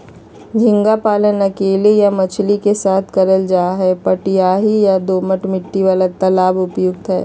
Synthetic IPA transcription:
d͡ʒʱɪ̃ŋɡapaːlənɐkeːlijamɐt͡ʃʰlikesaːt̪ʰkɐɾəld͡ʒaːaɦɛpɐʈjaːɦijad̪oːməʈmɪʈːiʋaːlat̪ɐlaːbʊpjʊɡ̚t̪ɦɛ̰ː

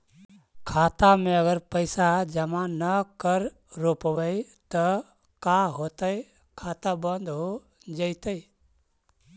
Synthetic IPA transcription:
kʰaːt̪amẽəɡəɾpəɪsad͡ʒəmãnəkəɾ | ɾopəʋəjt̪ə | kaɦoːt̪əj | kʰaːt̪abənd̪ɦo | d͡ʒəɪt̪əj

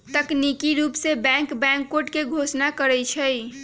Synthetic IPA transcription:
t̪əknikiɾupsebɛ̃ŋkbɛ̃ŋkːoʈkeɡʱosnakəɾɛjt͡ʃʰəj

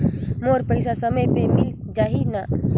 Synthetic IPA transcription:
moːɾpəɪsasɐməjpemɪl | d͡ʒaːɦina

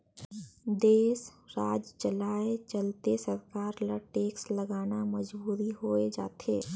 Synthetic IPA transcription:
d̪eːsɾaːd͡ʒt͡ʃəlaːet͡ʃəlt̪esɐɾkaːɾləʈeːksləɡaːnamɐd͡ʒbuːɾiɦoːed͡ʒa̰ːt̪ʰeː

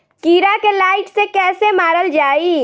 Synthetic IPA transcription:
kiːɾakelaːɪʈsekɛːsemaːɾəld͡ʒaːiː

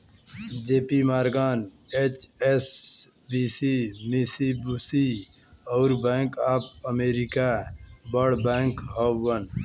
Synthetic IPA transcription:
d͡ʒeːpimaːɾɡaːn | eːt͡ʃes | bisimisibusiɔːɾbɛ̃ːŋkap̚əmeːɾikabəɽbɛ̃ːŋkɦoːən

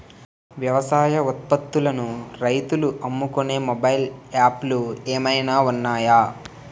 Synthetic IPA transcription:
ʋjɐʋɐsaːjɐut̪̚pɐt̪ːulɐnuɾɐjt̪uluʔɐmːukune̞ːmobɐjilaːplueːmɐjnaːunːaːjaː

